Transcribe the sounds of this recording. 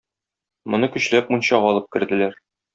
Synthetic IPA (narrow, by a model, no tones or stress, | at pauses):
mŏnɤkɵ̆ɕlæp̚munɕɑʁɒlˠɤp̚kɘ̆ɾd̪ɘ̆læɾ